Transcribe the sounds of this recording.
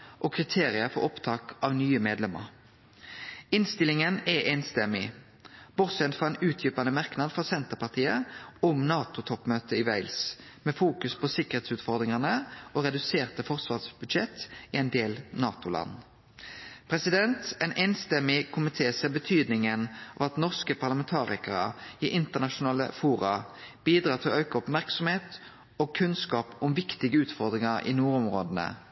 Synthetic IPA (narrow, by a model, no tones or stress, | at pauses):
ʔokʰʁɪt̪ʰeːʁɪəfɔ̰ɾɔpt̪ʰɑːkɑʋnyːəmeːd̪lɛmə̰ʁ | ɪnst̪ɪlɪŋənɛʔeːnst̪ɛmɪ̰ | b̥ʊʁsɛnt̪fɔʁɛnʉːt̪ʰjʏpɑnəmɑʁknɑd̪fɔsɛnt̪əʁpɑʁt̪ʰiːə̰ʊmnɑːt̪ʊt̪ʰɔpmøːt̪əɪʋæɪlsmeːfuːkʉspʰɔsɪkəʁheːt̪sʉːt̪fɔʁd̪ʁɪŋɑnəoːʁɛd̪ʉseːʁt̪əfɔʁsʋɑːʁsbʉd̪ʃɛt̪ɪɛɪnd̪eːlnɑːt̪ʊlʔɑ̰nː | pʰʁɛsɪd̪ɛnt̪æɪnʔɛːnst̪ɛmɪkʰʊmɪt̪ʰeːsɛʁbət̪ʰyːd̪nɪŋənɑ̰ːʋɑt̪nɔʁskəpʰɑʁlɑmɛnt̪ʰɑːʁɪkəʁə̰iʔɪnt̪əʁnɑʂʊnɑːlə̰fuːɾɑb̥iːd̪ɾɑːt̪ʰɪlɔʔœʉkɑɔpmæʁksɔmheːt̪ | oːɡ̚kʰʉnskɑːpʊmʋɪkt̪ɪɡəʉːt̪fɔʁd̪ʁɪŋɑɾḭːnuːʁʊmʁoːd̪ənə̰